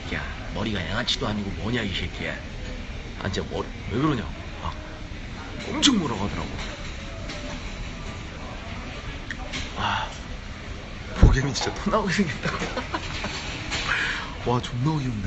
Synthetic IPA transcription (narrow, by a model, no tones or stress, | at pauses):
ka̰ | mʌɾiɡajaŋat͡ɕʰidoɦaɲiɡomʌɲaiɕʰiɭk͈iḛ | a̰nd͡ʑemʌɾiweɡɯɾʌɲo̰ | a̰ | ʌmt͡ɕʰʌŋmoɾʌɡadʌɾa̰ɡo̰ | a | poɡemit͡ɕit͡ɕ͈atonaoɡesʰeŋɡet͈aɡo | wat͡ɕonaɡiɯnde